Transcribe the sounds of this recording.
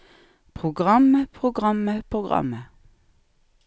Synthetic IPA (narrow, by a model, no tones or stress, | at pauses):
pʰʁʊɡʁɑməpʰʁʊɡʁɑməpʰʁʊɡʁɑ̰mə